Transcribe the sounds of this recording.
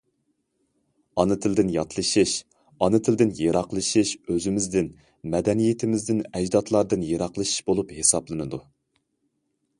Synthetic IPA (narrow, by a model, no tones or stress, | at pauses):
ɑnɨt̪ʰɪld̪ɪnjɑt̪ʰlˠɨʃiʃ | ɑnɨt̪ʰɪld̪ɪnjeɾɑqlˠɨʃiʃøzɪmɪzd̪ɪn | mɛd̪ɛnijet̪ʰɪmɪzd̪ɪnɛd͡ʒd̪ɑt̪ʰlˠɑɾd̪ɨnjeɾɑqlˠɨʃi̥ʃbolˠuphesɑblˠɨnɨd̪u